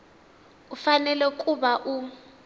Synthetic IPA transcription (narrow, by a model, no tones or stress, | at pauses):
ufanɛlɛkʼuɓaʔu